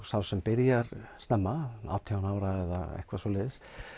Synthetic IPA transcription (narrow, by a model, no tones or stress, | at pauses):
sawsɛmpɪɾjaɾst̪ɛmːaa̰ːwt̪ʰjawnaːwɾaɛða̰ɛ̰hkvasɔlɪːðs